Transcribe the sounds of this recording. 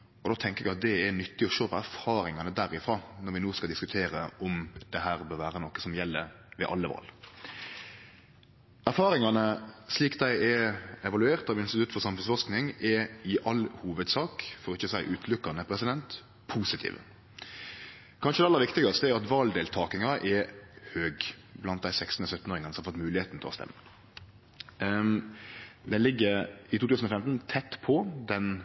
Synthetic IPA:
ɔd̪oːt̪ʰɛŋkəɾɛɡɑt̪̚d̪ɛɛɾnʏt̪ːɪɔʃøːpʰɔæɾfɑːɾɪŋɑnəd̪æɾɪfɾɑːnɔɾʋɪnoːskɑld̪ɪskʉt̪ʰeːɾəʔɔmd̪̥ɛɦæːɾbøːɾʋæːɾənɔkːə̥sɔmjɛlːə̰ɾ | ʋɛ̰ʔɑ̰lːəʋɑ̰ːl | æɾfɑːɾɪŋɑnəsliːkd̪æɪɛɛʋɑlʉeːɾt̪ɑʋɪnst̪ɪt̪ʉt̪ːfɔɾsɑmhʉnsfɔʂknɪŋɛɪʔɑlhuːʋəd̪sɑːkfɔʁɔɪçːəsæɪʔʉːt̪ʰlʉkːɑnəpʰɾɛsɪd̪ɛnt̪ | pʰuːsɪt̪ʰḭːʋə̰ | kʰɑnʂəd̪ɛɑlːəɾʋɪkt̪ɪɡɑst̪əɛæɾɑt̪ʋɑːld̪eːlt̪ʰɑːkɪŋɑʔɛhøːɡblɑnt̪̚d̪æɪsɛkst̪n̩əsœt̪ːn̩oːɾɪŋɑnsɔmɑfɔt̪mʉːlɪheːt̪n̩t̪ʰɪlɔst̪ɛ̰mːə | d̪ɛlɪɡːəɪt̪uːt̪ʉːsn̩ɔfɛmt̪n̩t̪ʰɛt̪ːpʰɔd̪ɛn

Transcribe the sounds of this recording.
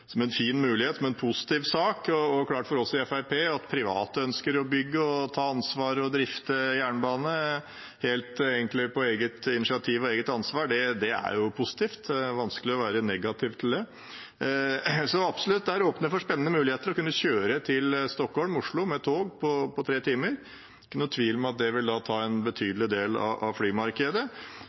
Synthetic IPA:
sɔmɛnfiːnmʉːlɪheːt̪sɔmɛnpʰʊsɪ̥t̪ɪːʋsɑːkɔɔkʰlɑːʈfɔɾɔlsɪɛfæɪpʰeːɑt̪pʰɾɪʋɑ̰ːt̪əœnskəɾɔbʏɡːəɔt̪ʰɑːɑnsʋɑːɾɔd̪ɾɪft̪əjæːɳbɑːnə | heːlt̪eːɡənt̪lɪpʰɔeːɡət̪ɪnɪʂɪɑt̪ʰiːʋɔeːɡət̪ɑnsʋɑːɖɛd̪ɛæ̰ɾjʊpʰʊsɪ̥t̪ʰiːft̪ʋɑnskəlɪɔʋæːɾənɛɡɑt̪ʰɪʋt̪ʰɪld̪ɛ | sɔɑpsɔlʉt̪̚d̪ɛhæːɾoːpnəʋɪfɔʂpɛnənəmʉːlɪheːt̪əɾɔkʉnːəçøːɾət̪ʰɪlst̪ɔkhɔlmʊʂɭʊmɛt̪ʰoːɡpʰɔpʰɔt̪ʰɾeːt̪ʰiːməɾ | kkʉnːət̪ʰʋiːlmɛɑt̪̚d̪ɛʋɪld̪ɑːt̪ʰɑːɛnbət̪ʰyːd̪l̩ɪd̪eːlɑ̰ʔɑ̰ʋflyːmɑɾkɛd̪ə

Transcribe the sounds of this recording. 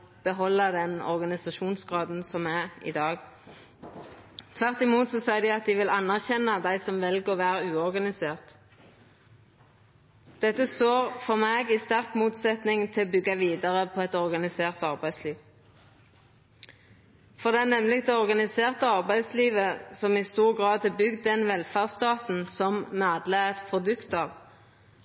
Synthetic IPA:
b̥əɦɔlːɑd̪ɛnɔ̰ʁɡɑnɪsɑʃuːnsɡʁɑːd̪n̩sɔmæʁɪ̰d̪ɑːɡ | t̪ʰʋæʁt̪ɪmuːt̪sɔsɛɪd̪æɪɑt̪̚d̪ɪʋɪlɑnːæʁçɛnːɑd̪æɪsɔmʋɛlɡəʁɔʋæːʁəʉːɔʁɡɑnɪseːʁt̪ | d̪̥ɛt̪ːəst̪oːʁfɔʁmeːɡiːst̪æʁkmuːt̪sɛt̪nɪŋt̪ʰɪlɔbʏɡːɑʋiːd̪əʁəpʰɔɛt̪ɔʁɡɑnɪseːʁt̪ɑʁbæɪsliːʋ | fɔʁd̪ɛæʁnɛmlɪk̚d̪ɛɔʁɡɑnɪseːʁt̪əɑʁbæɪd̪sliːʋəsɔmɪst̪uːʁɡʁɑːd̪ɪbʏɡd̪ɛnʋɛlfæːʁst̪ɑːt̪n̩sɔmnɑːd̪ləɛt̪pʰʁʊd̪ʉkt̪ɑːʋ

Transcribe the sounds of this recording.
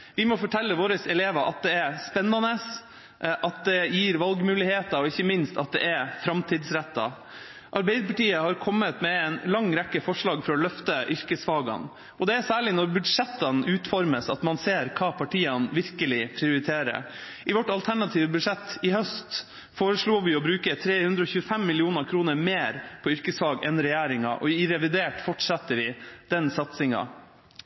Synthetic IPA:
ʋɪmɔfɔʈʰɛlːəʋoːɾəsɛleːʋəɾʔɑt̪̚d̪ɛɛɾspɛnːɑnəs | ʔɑt̪̚d̪ɛjiːɾʋɑlɡmʉːlɪheːt̪ɑɾɔɪçːəmɪnst̪ɑt̪̚d̪ɛ̰ʔɛɾfɾɑmt̪ʰiːd̪sɾɛt̪ːɑ̰ | ʔɑɾbɛɪd̪əɾpɑʈiːəhɑɾkʰɔmːət̪mɛɛnlɑŋːɾɛkːəfɔʂɭɑːɡfɾɑːlœft̪əʔʏɾkəsfɑːɡɑ̰n | ɔd̪ɛæsæːɭɪnɔɾbʉd̪ʂɛt̪ːənʉːt̪fɔɾməsɑt̪mɑnseːɾkʰɑːpʰɑʈʰiːɑnʋɪɾkəlɪpʰɾɪʊɾɪt̪ʰeːɾə̰ɾ | ʔɪʋɔʈːɑlt̪ʰæɳɑt̪ʰiːʋəbʉd̪ʂɛt̪ːɪhœst̪ | foːɾəʂɭuːʋɪɔbɾʉːkət̪ʰɾeːhʉnd̪ɾəɔːçʉːəfɛmːɪlɪuːnəkʰɾuːnəɾmeːɾpʰɔʏɾkəsʋɑːɡɛnɾɛjæːɾɪŋɑ̰ʔɔɪɾɛʋɪd̪eːʈfɔʈsɛt̪ːəɾʋɪd̪̥ɛnsɑt̪sɪŋɑ̰

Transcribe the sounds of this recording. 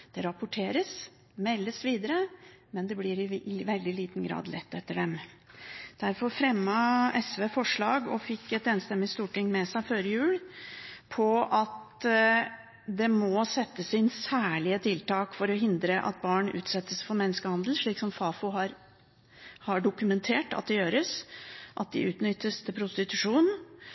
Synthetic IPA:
d̪̥ɛɾɑpʊʈʰeːɾəs | mɛlːəsʋiːd̪əɾə | mɛnd̪ɛblɪɾɪʋɛld̪ɪliːt̪n̩ɡɾɑ̰ːd̪lɛ̰t̪ʰːɛt̪ːəɖɛm | d̪̥æɾfɔɾfɾɛmːɑɛsʋeːfɔʂɭɑːɡɔfɪkːɛt̪eːnst̪ɛmːɪst̪uːʈɪŋmɛsæɪføːɾəjʉːlpʰɔɑt̪ | d̪ɛmɔsɛt̪ːəsɪnsæːɭɪət̪ʰɪlt̪ʰɑːkfɔɾɔɦɪnd̪ɾəʔɑ̰t̪̚bɑːɳʔʉ̰ːt̪sɛt̪ːəsfɔɾmɛnːəskəhɑnd̪l̩ʂɭiːksɔmfɑːfʊɦɑɾ | hɑɖʊkʉmɛnt̪ʰeːʈɑ̰t̪̚d̪ɛjøːɾəsʔɑ̰t̪̚d̪ɪʔʉːt̪nʏt̪ːəst̪ʰɪlpʰɾʊst̪ɪt̪ʉʂuːn

